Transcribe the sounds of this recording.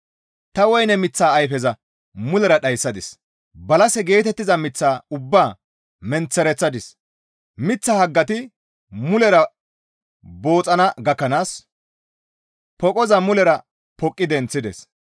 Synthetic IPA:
t̪ɐwɔjnɛmɪt͡sːaːjfɛzɐ | mʊlɛɾɐɗɐjsːɐd̪ɪs | bɐlɐsɛɡe̞ːt̪ɛt̪ːɪzɐmɪt͡sːaːʊbːaː | mɛnt͡sːɛɾɛt͡sːɐd̪ɪs | mɪt͡sːɐhɐɡːɐt̪ɪ | mʊlɛɾɐ | bo̞ːt͡sʼːɐnɐɡɐkːɐnaːs | pɔkʼɔzɐmʊlɛɾɐ | pɔkʼːɪd̪ɛnt͡sːɪd̪ɛ̰s

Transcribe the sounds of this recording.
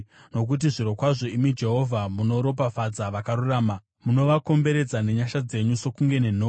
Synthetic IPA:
no̞k̬ut̬iʐiɾo̞kwaʐo̞imid͡ʒe̞ɦo̞vʱamuno̞ɾo̞p̬afad͡zaʋakaɾuraːma | muno̞ʋako̞mbe̞ɾe̞d͡zane̞ɲaʃad͡ze̞ɲuso̞kuŋɡe̞ne̞n̤oː

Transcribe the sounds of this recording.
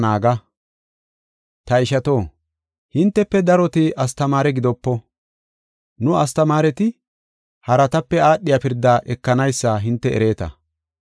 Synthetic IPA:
naːɡɐ | t̪ɐɪʃɐt̪o̞ː | hɪnt̪ːɛpːɛd̪ɐɾɔt̪ɪʔɐst̪ɐmaːɾɛɡɪd̪ɔpːɔ | nʊɐst̪ɐmaːɾɛt̪ɪ | hɐɾɐt̪ɐpːɛaːɗːɪjɐpɪɾd̪aːʔɛkːɐnɐjsːɐɦɪnt̪ːɛɛ̰ɾe̞ːt̪ɐ̰

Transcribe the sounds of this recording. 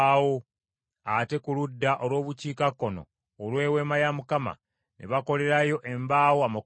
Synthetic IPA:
wo | ate̞kuludːaʔolwo̞ːβuciːkakːo̞no̰ː | lwe̞ːwe̞ːmajamukama̰ | nʔḛβako̞le̞ɾajo̞ʔe̞mbaːwoama

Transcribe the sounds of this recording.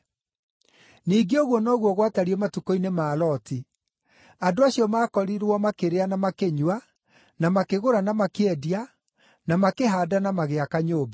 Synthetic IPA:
niːɡeoɣwɔnɔːɣwɔɣwataɾiɛmatukoinemaːlɔti | adoaɕiɔmaːkɔɾiɾwɔmakeɾeanamakeɲwa | namakeɣoɾanamakeɛdia | namakeɦaːdanamaɣeakaɲoːba

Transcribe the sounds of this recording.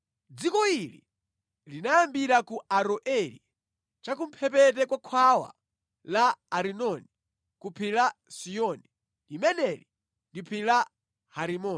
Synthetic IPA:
d͡zikɔilḭ | linajambiɾakuaɾɔʔɛli | t͡ʃak̬um̩pʰɛp̬ɛt̬ɛkwakʰwawa̰ | laːɾinɔni | kupʰilasijɔni | limɛnɛli | ndipʰila | haɾimɔː

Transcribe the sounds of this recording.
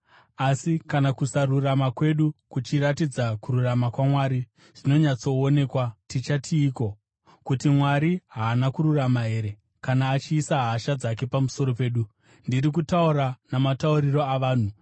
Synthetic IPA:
asikanakusaruramakwe̞ɗukut͡ʃiɾatid͡zakuɾuramakwamwaːɾi | ʐino̞ɲat͡so̞ːne̞kwatit͡ʃatʰiːko̞ | kutimwaɾiɦaːnakuɾuramaɦe̞ːɾe̞ | kanaːt͡ʃiːsaɦaʃad͡zak̬e̞pamuso̞ɾo̞pe̞ːɗu | ndiɾik̬utauɾanamatauɾiro̞aʋaːn̤u

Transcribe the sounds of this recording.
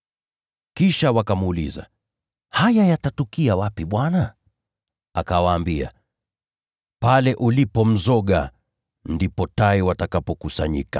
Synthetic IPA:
kiʃawakamuːliza̰ | hajajatatukiawapiɓwana | a̰kawaːmbia̰ | palɛʔulipɔm̩zɔɠa̰ | ndipɔtaiwatakapɔkusaɲḭka

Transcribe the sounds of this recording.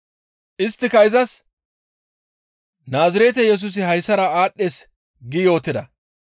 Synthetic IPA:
ʔɪst̪ːɪkɐjɪzɐs | naːzɪɾeːt̪̬ɛjɛs̬ʊs̬ɪhɐjsːɐɾɐaːɗeːs | ɡɪjo̞ːt̪ːɪd̪ɐ

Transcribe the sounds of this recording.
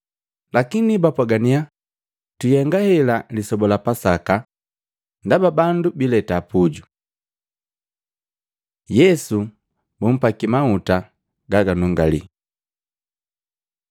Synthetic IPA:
lakinibapwaɡania | tujɛŋɡahɛlalisɔbɔlapasaka | ndababandubilɛtapuɟu | jɛsu | bum̩pakimauta | ɡaɡanuŋɡalḭ

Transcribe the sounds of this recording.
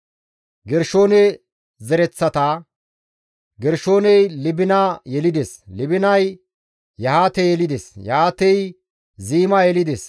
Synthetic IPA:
ɡɛɾʃo̞ːnɛ | zɛɾɛt͡sːɐt̪aː | ɡɛɾʃo̞ːnɛjlɪbɪnaːjɛlɪd̪eslɪbɪnɐj | jɐhaːt̪ɛjɛlɪd̪esjɐ̰haːt̪ɛj | ziːmajɛlɪd̪es

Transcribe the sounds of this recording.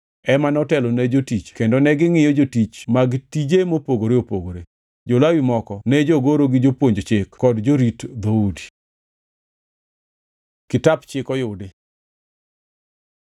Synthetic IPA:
ɛmanɔtɛlonɛd͡ʒotit͡ʃkendonɛɡɪŋɪjɔd͡ʒotit͡ʃmaɡtid͡ʒemopoɡoɾeopoɡoɾe | d͡ʒolawimɔkɔnɛd͡ʒoɡoɾoɡɪd͡ʒopwoɲd͡ʒot͡ʃɪkkɔdd͡ʒoɾitd̪oudi̥ | kɪtapt͡ʃɪkɔjʊdɪ

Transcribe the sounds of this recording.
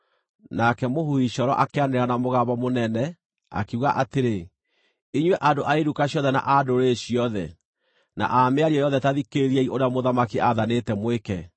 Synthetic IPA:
nakɛmohuiɕɔɾɔ̰ʔakeaneɾanamoɣabɔmonɛnɛ | a̰keuɣaʔateɾe | iɲwɛʔadoʔaeɾukaɕjɔðɛna̰ʔadoɾeɕiɔðɛ | na̰ʔameaɾiɛjɔðɛtaðikeɾiɛiʔoɾeamoðamakiʔaðanetɛmwekɛ

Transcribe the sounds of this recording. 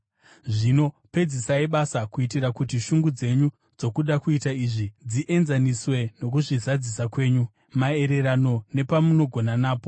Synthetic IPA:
ʐino̞ | pe̞d͡zisaiɓasakuitiɾakutiʃuŋɡud͡ze̞ɲu | d͡zo̞kuɗakuitaiʐid͡ziʔe̞nzaniswe̞no̞kuʐizad͡zisakwe̞ːɲu | mae̞ɾe̞ɾano̞ne̞pamuno̞ɡʱo̞nanaːpo

